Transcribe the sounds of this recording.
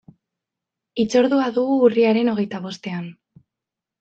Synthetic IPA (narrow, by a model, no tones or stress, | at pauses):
it͡so̞ɾðuaðuɣuːriaɾe̞no̞ɣ̞e̞jt̪aβ̞o̞st̪e̞an